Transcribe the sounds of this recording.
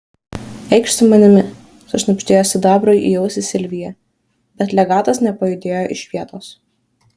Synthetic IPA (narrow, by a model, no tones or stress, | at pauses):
ɛɪkʃsʲʊmɐnʲɪmʲɪ | sʊʃʲnɐpʲʃʲt̪ʲeːjoːsʲɪd̪ɑːbɾojʔḭjɛʊsʲɪsʲɪlʲʋʲɪjɛ | bʲɛt̪ʲlʲɛɡɑːt̪ɐsnʲɛpɐjʊd̪ʲeːjoːʔɪʃʲʋʲiɛt̪oːs